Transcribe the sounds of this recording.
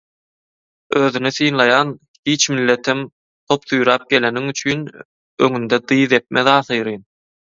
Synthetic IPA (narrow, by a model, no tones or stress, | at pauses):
øːðynyθɯjnlˠɑjɑn | hiːt͡ʃmilːe̞t̪ʰim | t̪ʰo̞pθujɾɑːp̚ɡe̞le̞niŋyt͡ʃʰyːn | ø̰ŋynd̪ed̪ɯːðe̞p̪̚meðɑːθɯjɾɯːn